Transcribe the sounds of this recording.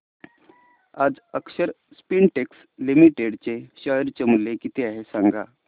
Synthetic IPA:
ad͡zəkɕəɾ | spinʈeks | limiʈeɽt͡seɕəjɾt͡ɕemulekit̪eaɦesãŋɡa̰

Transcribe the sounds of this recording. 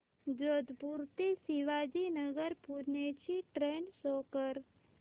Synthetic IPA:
d͡ʒod̪puɾt̪esiʋaːd͡ʒinəɡəɾpuɾnet͡ʃʰiʈɾeːnsɔːkəɾ

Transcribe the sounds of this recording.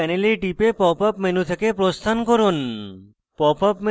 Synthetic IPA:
ɛneliɾʈipepɔpapmenut̪ʰekepɾost̪ʰankoɾun | pɔpɔpme

